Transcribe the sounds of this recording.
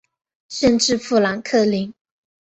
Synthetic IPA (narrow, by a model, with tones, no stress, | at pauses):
ʂə˥˧nʈ͡ʂɻ̩˥˧fu˥˩la˧˥nkʰɤ˥˩li˧˥ŋ